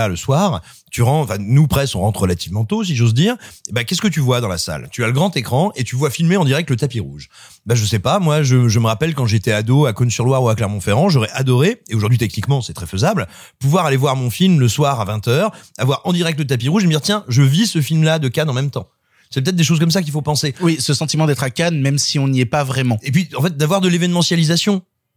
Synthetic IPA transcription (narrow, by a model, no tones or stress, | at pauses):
aləswaːʁ | t̪yʁɑ̃ɑ̃fɛ̃nupχɛsɔ̃ʁɑ̃t̪χʁəlat̪ivmɑ̃t̪os̬iʒozd̪iːʁbakʲɛskət̪yvwad̪ɑ̃lasa̰lt̪yaləɡʁɑ̃t̪ekχɑ̃et̪yvwafilmeɑ̃d̪iʁɛk̚t̪lət̪apiʁuʒ | baʒəsɛpamwaʒəʒəməʁapɛlkɑ̃ʒeːt̪ɛad̪oakɔnsyʁlwaʁuaklɛʁmɔ̃feʁɑ̃ʒɔʁɛʔad̪ɔʁeeoʒuʁd̪ɥit̪ɛknikmɑ̃sɛt̪χɛføzabl | puvwaʁalevwaʁmɔ̃filmləswaʁavɛ̃t̪œʁavwaʁɑ̃d̪iʁɛk̚t̪lət̪ap̬iʁuʒeməd̪iʁt̪jɛ̃ʒəvisəfilmlad̪əkanɑ̃mɛmt̪ɑ̃ | sɛpət̪ɛt̪̚d̪eʃ̬ozk̬ɔms̬ak̬ʲilfopɑ̃sewisəsɑ̃t̪imɑ̃d̪ɛt̪χakanmɛmsiɔ̃niɛpavʁɛmɑ̃epɥiɑ̃fɛt̪̚d̪avwaʁd̪əlevɛnmɑ̃sjalizasjɔ̃